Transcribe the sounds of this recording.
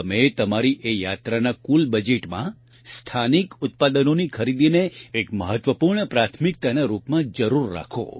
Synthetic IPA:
əmet̪əmaɾiʔejat̪ɾanakulbəd͡ʒeʈmã̰ | st̪ʰanikʊt̪̚pad̪ənonikʰəɾid̪ineekməɦət̪ʋəpuɾɳəpɾat̪ʰmik̚t̪anaɾupmãd͡ʒəɾuɾːa̰kʰo̰

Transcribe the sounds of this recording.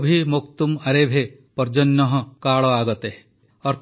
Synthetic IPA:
bʱimokt̪umɐɾebʱe | pɔɾd͡ʒɔnːɔɦɔkaːɭɔaɡɔt̪e | ɔɾt̪

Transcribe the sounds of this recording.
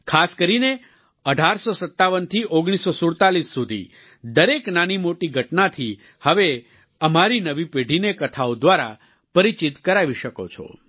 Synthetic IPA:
kʰaskəɾine | əɖʱaɾsosət̪ːaʋənt̪ʰiʔoɡɽ̃isosʊɽt̪alisːud̪ʱḭ | d̪əɾeknanimoʈiɡʱəʈnat̪ʰi | həʋe | əmaɾinəʋipeɖʱinekət̪ʰaod̪ʋaɾa̰ | pəɾit͡ʃit̪kəɾaʋiʃəko̰t͡ʃʰɔ̰

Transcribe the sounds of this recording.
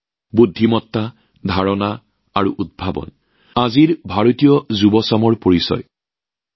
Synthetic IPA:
budʱːimɔtːa | d̪ʱaɹɔna | aɹuʔud̚bʱabɔ̰n | aziɹbʱaɹotijɔzubɔsamɔɹpoɹisɔ̰j

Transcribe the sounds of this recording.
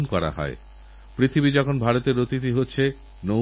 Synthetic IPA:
nkɔɾa̰ɦɔ̰e | pɾit̪ʰibid͡ʑɔkʰonbʱaɾot̪eɾːot̪it̪̬iɦotːɕʰe | no

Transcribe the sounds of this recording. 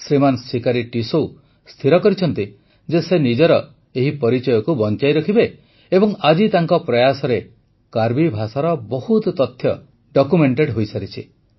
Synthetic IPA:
sɾimansikaɾiʈisow | st̪ʰiɾɔkɔɾit͡ʃʰɔnt̪i | d͡ʒesenid͡ʒɔɾɔ | eɦipɔɾit͡ʃɔjɔkubɔnt͡ʃajɾɔkʰibeː | bɔŋad͡ʒit̪aŋkɔpɾɔjasɔɾe | kaɾbibʱasaɾɔbɔhut̪t̪ɔt̪ʰjɔ | ɖɔkumeɳʈeɖɦojsaɾit͡ʃʰi

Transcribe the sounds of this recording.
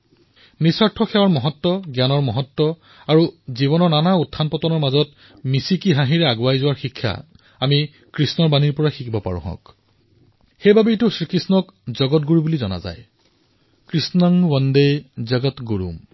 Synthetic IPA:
nisɔɹtʰɔxɛwaɹmɔɦɔtːɔɡjanɔɹmɔɦɔtːɔ | aɹuziβɔnɔnanautʰːanpɔtɔnɔɹmazɔt̚ | misikiɦãɦiɹɛaɡʊwajzʊwaɹxikʰːa̰ | ami | kɹisnɔɹbaniɹpɔɹaxikʰibɔpa̰ɹṵ̃ɦɔ̰̃k | xejbabijtʊsɹikɹisnɔkzɔɡɔtɡuɹibulizɔna̰za̰j | kɹisnɔŋwɔndejzaɡɔtɡoɹṵm

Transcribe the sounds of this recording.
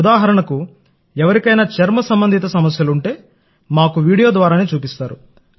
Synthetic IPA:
d̪aːɦɐɾɐɳɐku | ɛʋɐɾikɐjnaːt͡ʃɐɾmɐsɐmbɐnd̪ʱit̪ɐsɐmɐsjɐluɳʈe̞ː | maːkuʋiːɽijo̞ːd̪ʋaːɾaːneːt͡ʃuːpist̪aːɾu

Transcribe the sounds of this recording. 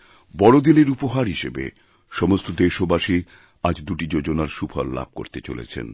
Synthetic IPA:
bɔɽod̪ineɾupoɦaɾɦiʃebḛ | ʃɔmost̪od̪eʃobaʃi | ad͡ʑd̪uʈid͡ʑod͡ʑonaɾʃupʰalːa̰b̚ko̰ɾt̪et͡ɕo̰lḛt͡ɕʰḛn

